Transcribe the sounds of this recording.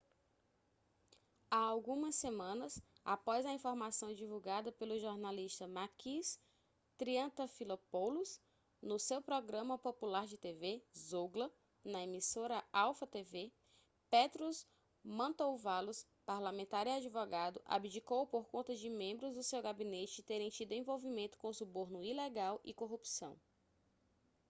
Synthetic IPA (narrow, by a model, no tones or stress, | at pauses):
aawɡũmɐsːemɐ̃nɐsa̰pɔzɐĩfoɾmasɐ̃w̃d͡ʒivuwɡad̪ɐpelʊʒoɾnaliʃt̪ɐmakis | t̪ɾiɐ̃t̪ɐfilopowlus | nʊsewpɾɔɡɾɐ̃mɐpopulaɾd͡ʒɪt̪evezoɡlɐ | nɐemisoɾɐawfɐt̪eve | pet̪ɾus | mɐ̃t̪owvalʊs | paɾlamẽnt̪aɾiad͡ʒivɔɡad̪ʊʔa̰bid͡ʒikowpoɾkõnt̪ɐd͡ʒɪmẽmbɾʊzd̪ʊsewɡabinet͡ʃɪt̪eɾẽj̃t͡ʃid̪ʊẽvowvimẽnt̪ʊ̥kõsuboɾnʊilɛɡawʔḭkoɦupsɐ̰̃w̃